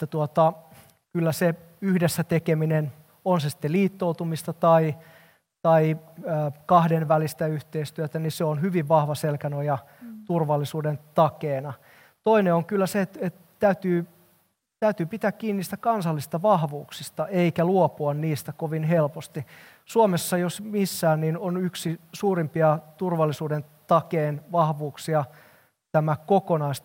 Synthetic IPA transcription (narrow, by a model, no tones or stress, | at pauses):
et̪ːæt̪uot̪ɑ | kylːæse | yhdesːæt̪ekeminen | onsesi̥t̪ːeliːt̪ːout̪umist̪ɑt̪ɑi | t̪ɑiː | kɑhdenʋælist̪æyht̪eist̪yøt̪æniseonhyʋiʋʋɑhʋɑselkænojɑ | t̪urʋɑlːisuːdent̪ɑkeːnɑ | t̪oineoŋkylːæset̪et̪ | t̪æyt̪yː | t̪æyt̪yːpit̪æːkkiːnːiːst̪ækɑnsɑlːist̪ɑʋɑhʋuːksist̪ɑʔeikæluopuɑnniːst̪ækoʋinɦelpost̪i | suomesːɑjosmisːæːnninonyksisuːrimpiɑt̪urʋɑlːisuːdent̪ɑkeːnʋɑhʋuːksiɑ | t̪æmækokonɑist̪